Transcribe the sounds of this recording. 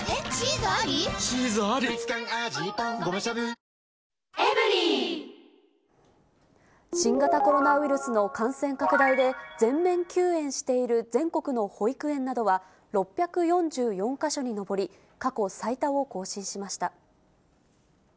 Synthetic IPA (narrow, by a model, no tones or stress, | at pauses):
izɕizaɾʲit͡sɨ̥kãŋaʑiãɡomaɕabɯ | emɯɾʲi | ɕĩŋɡat̪ako̞ɾo̞naβiɾɯ̟sɨno̞kãɰ̃sẽ̞ŋkakɯ̟d̪aid̪e̞d͡zẽ̞mːẽ̞ŋkʲɨːẽ̞ɰ̃ɕi̥t̪e̞iɾɯ̟d͡zẽ̞ŋko̞kɯ̟no̞ho̞ikɯ̟ẽ̞nːad̪o̞βa | ɾo̞pʲːjakɯ̟jõ̞ɲd͡ʑɨːjõ̞ŋkaɕo̞ɲ̟ino̞bo̞ɾʲi | kako̞sait̪ao̞ko̞ːɕĩɰ̃ɕimaɕi̥t̪a